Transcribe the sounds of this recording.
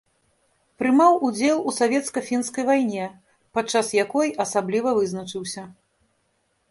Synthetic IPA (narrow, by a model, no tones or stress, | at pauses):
pɾɨmawud͡zʲɛlˠusavʲɛt̪skɐfʲinskɐjvajnʲɛ | pat̪t͡ʂːasjakɔjɐsablʲivɐvɨznɐt͡ʂɨwsʲɐ